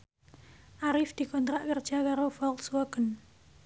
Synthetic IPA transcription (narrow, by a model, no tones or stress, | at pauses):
ʔaɾɪfd̪̥i̤kɔnt̪ɾaʔkərd̥ʒ̥akaɾofɔlswaɡ̥ən